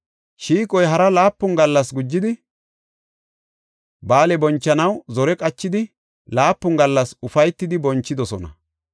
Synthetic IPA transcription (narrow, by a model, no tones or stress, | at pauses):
ʃiːkʼɔjɦɐɾɐlaːpːʊŋɡɐlːɐsɡʊd͡ʒːɪd̪ɪ | baːlɛbɔnt͡ʃːɐnɐwzɔɾɛkʼɐt͡ʃːɪd̪ɪ | laːpːʊŋɡɐlːɐsʊfɐjt̪ːɪd̪ɪbɔnt͡ʃːɪd̪ɔsɔnɐ̰